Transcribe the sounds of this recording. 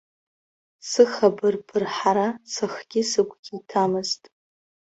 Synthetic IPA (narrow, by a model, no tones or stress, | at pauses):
sɨχabɨrpʰɨrħaɾasɨχɡʲɪsɨkʷʰʼɡʲiitʰamɨztʼ